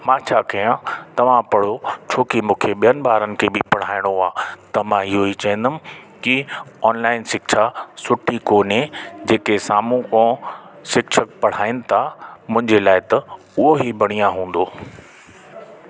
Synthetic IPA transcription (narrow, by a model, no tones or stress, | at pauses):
mãːt͡ɕʰaːkɐjãt̪ɐʋ̤ãpɐɽ̤ot͡ɕʰoːkimũːkʰeɓijənɪ̆baːɾənɪ̆kʰeːbɪpɐɽ̤aːɪɽ̃oaːt̪ɐmãɪɦoit͡ɕɐɦə̃n̆d̪əmɪ̆ | kiɔːnlaːɪnsɪkʃʰasʊʈʰikoːned͡ʑeːkesaːmũkõːsɪkʃʰək̚pɐɽ̤aːɪnɪ̆t̪ʰamʊ̃ɪ̃ɲd͡ʑelaːɪt̪ɐ | ʊɦoɦibɐɽ̃ijãɦũːn̆d̪oː